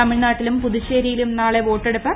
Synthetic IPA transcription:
ɐmiɭnaːʈːilumpuðiɕeːɾijilumnaːɭe̞ʋo̞ːʈːeɽupːɐ

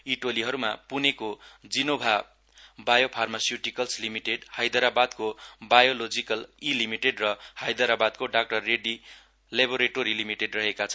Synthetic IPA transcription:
iʈoliɦʌɾumapunekod͡zinobʱa | bajopʰarmasjuʈikʌlslimiʈeɖhajd̪ʌɾabad̪kobajolod͡zikʌlilimiʈeɖrʌhajd̪ʌɾabad̪̚koɖak̚ʈʌrːeɖi | leboɾeʈoɾilimiʈeɖrʌɦekat͡sʰʌn

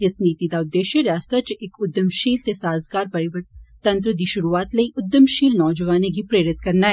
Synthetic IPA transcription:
ɪsniːt̪id̪aʊd̪ːeːʃjəɾjaːst̪at͡ʃʔɪkʊd̪ːəmʃiːlt̪esaːzɡaːɾpɐɾɪʋət̪ːɐ̃nt̪ɾəd̪iʃʊɾuaːt̪lɐiʔʊd̪ːəmʃiːlnɔːd͡ʒəʋaːneɡ̬ipɾeːɾɪt̪kɐɾnaɦɛ

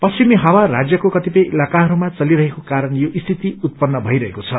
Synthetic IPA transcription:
pʌsimiɦawarad͡zjʌkokʌt̪ipʌjʔilakaɦʌɾumat͡sʌliɾʌɦekokaɾʌnjoʔist̪ʰit̪iut̪̚pʌnːʌbʱʌjɾʌɦekot͡sʰʌ

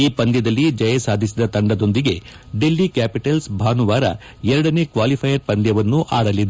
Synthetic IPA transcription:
iːpɐnd̪jɐd̪ɐlːid͡ʒɐjɐsaːd̪ʱisid̪ɐt̪ɐɳɖɐd̪o̞nd̪iɡe̞ | ɖelːikaːpiʈɐlsbʱaːnuʋaːɾɐ̰ | ɛɾɐɽɐne̞ːkʋaːlipʰɐjɐɾpɐnd̪jɐʋɐnːuʔaːɽɐlid̪e

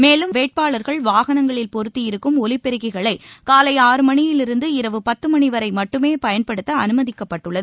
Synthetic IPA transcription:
meːlɯmʋeːʈ̚paːɭɐɾɣɐɭʋaːɣɐnɐŋɡɐɭɪlpɔɾɯt̪ːijɪɾɯkːɯmɔlɪpːɛɾɯɣɐɪɣɐɭɐɪkaːlɐɪaːɾɯmɐɳɪjɪlɪɾɯnd̪ɯɪɾɐʋɯpɐt̪ːɯmɐɳɪʋɐɾɐɪmɐʈːɯmeːpɐjɐnpɐɽɯt̪ːɐɐnɯmɐðɪkːɐpːɐʈːɯɭːɐðɯ

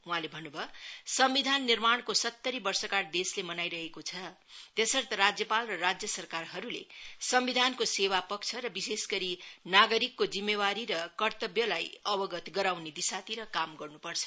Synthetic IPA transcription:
ɦuɦãlebʱʌnːubʱʌsʌmbid̪ʱanːirmaɳ̃kosʌt̪ːʌɾibʌrsʌkard̪eslemʌnajɾʌɦekot͡sʰʌ | t̪esʌrt̪ʌɾad͡zjʌpalrʌrad͡zjʌsʌrkarɦʌɾulḛsʌmbid̪ʱankosewapʌk̚t͡sʰʌɾʌbisesɡʌɾinaɡʌɾikːod͡zimːewaɾiɾʌkʌrt̪ʌbjʌlajʌbʌɡʌt̪ɡʌɾawned̪isat̪iɾʌkamɡʌrnupʌrt͡sʰʌ̥

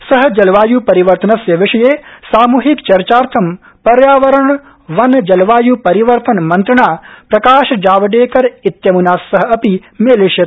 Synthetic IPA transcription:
sɐɦɐ̆d͡ʒɐlʋaːjupɐɾiʋɐɾt̪ɐnɐsjɐʋɪʂɐjeːsaːmuːɦikt͡ʃɐɾt͡ʃaːɾt̪ʰɐm | pɐɾjaːʋɐɾəɳ | ʋɐnd͡ʒɐlʋaːjupɐɾiʋɐɾt̪ɐnmɐnt̪ɾɐɳaːpɾɐkaːʃɐd͡ʒaːʋɐɖeːkɐɾit̪jɐmunaːsːɐɦɐ̆ɐpimeːliʃjɐ

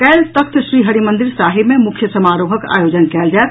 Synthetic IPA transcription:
kɛlt̪əkt̪ʰʃɾiɦəɾimənd̪iɾsaɦibmemukʰjəsəmaɾoɦəka̰jod͡ʒənkɛld͡ʒaet̪̚

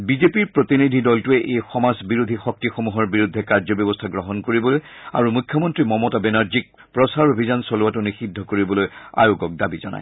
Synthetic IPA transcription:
bizepiɹpɹot̪inidʱidɔltuɛʔejxɔmazbiɹud̪ʱixɔk̚tixomuɦɔɹbiɹud̪ʱːɛkaɹzɔbjɔbɔstʰaɡɹɔɦɔnkoɹibɔloj | a̰ɹumukʰːjɔmɔntɹimɔmɔtabɛnaɹzik̚ | pɹɔsaɹobʱizansɔluwatʊnixidʱːɔkoɹibɔloja̰joɡɔk̚dabizɔ̰na̰j

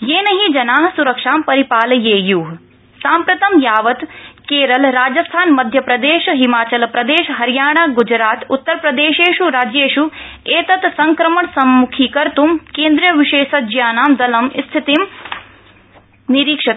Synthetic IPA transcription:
jeːnɐɦid͡ʒɐnaːɦɐsuɾɐkʂaːmpɐɾipaːljeːjuːɦ | saːmpɾɐt̪ɐmjaːʋɐt̪keːɾɐlɾaːd͡ʒɐst̪ʰaːnmɐd̪ʱjɐpɾɐd̪eːʃɦimaːt͡ʃɐlpɾɐd̪eːʃɦɐɾjaːɳ̃aːɡud͡ʒɾaːt̪ut̪ːɐɾpɾɐd̪eːʃeːʃuɾaːd͡ʒjeːʃu | eːt̪ɐt̪sɐŋkɾɐmɐɳsɐmːukʰikɐɾt̪umkeːnd̪ɾijɐʋiʃeːʃɐd͡ʒjaːnaːmd̪ɐlɐmst̪ʰit̪im | niɾiːkʂɐt̪

